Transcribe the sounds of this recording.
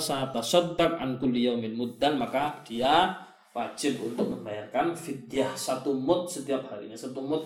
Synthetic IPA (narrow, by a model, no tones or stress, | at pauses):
sat̪asɔd̪ːak̚ʕa̰nkʊlːjawmɪnmud̪ːanmakad̥ia | wad͡ʒɪbunt̪ʊk̚məmbajarkanfid̪iahsat̪umʊt̪̚sət̪iap̚haɾḭɲasat̪umʊt̪̚